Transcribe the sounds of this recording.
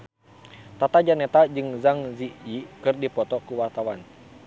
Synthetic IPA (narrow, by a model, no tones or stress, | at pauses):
t̪at̪ad͡ʒanɛt̪ad͡ʒɨŋzaŋziikɨrdipɔt̪ɔkuwart̪awan